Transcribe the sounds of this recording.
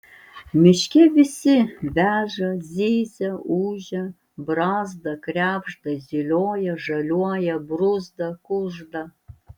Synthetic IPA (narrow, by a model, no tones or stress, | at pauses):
mʲɪʃʲkʲɛʋʲɪsʲɪvʲæːʒɐzʲiːzʲɛuːʒʲɛ | brɑːzd̪ɐkrʲæːbʒd̪ɐzʲilʲoːjɛʐɐlʲuɔjɛbrʊzd̪ɐkʊʒd̪ɐ